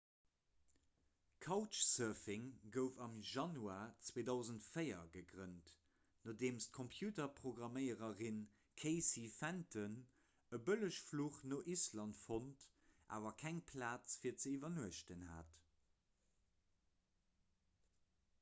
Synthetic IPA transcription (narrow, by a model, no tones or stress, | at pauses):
kʰɑʊt͡ʃsɜɐvɪŋɡəʊfɑmʒɑnuaːt͡sweːdɑʊzəntfəɪɐ̰ɡəɡʁənt | noːdeːmst̚kʰompʰjuːtɐpʁ̥oɡʁɑməɪəʁəʁin | kʰeɪsifæntʰən | əbələʃfluːχnoʔislɑntfont | ʔa̰ːvɐkʰæŋpʰlaːt͡sfiːɐt͡səivɐnuəʃtənha̰ːt